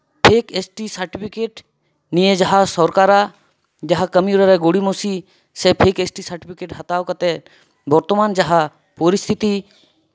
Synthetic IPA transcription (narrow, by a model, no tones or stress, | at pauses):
pʰeːkesʈisəɾʈipʰikeːʈ | nijed͡ʒɐɦasɔɾkaɾa | d͡ʒɐɦakɐmiɾəɾɛɡoɽimosi | sepʰeːkesʈisəɾʈipʰikeːʈɦɐt̪aːwkɐt̪ɛ | bɔɾt̪ɔmaːnd͡ʒɐɦa | poɾist̪ʰit̪i